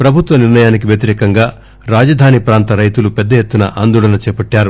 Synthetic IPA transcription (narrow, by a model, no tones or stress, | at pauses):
pɾɐbʱut̪ʋɐniɾnɐjaːnikiʋjɐt̪̬iɾɛːkɐŋɡaː | ɾaːd͡ʒɐd̪ʱaːnipɾaːnt̪ɐɾɐjt̪ulupɛd̪ːɐjet̪ːunɐ̰ʔa̰ːnd̪uːɽɐnɐt͡ʃɛːpɐʈːaːɾu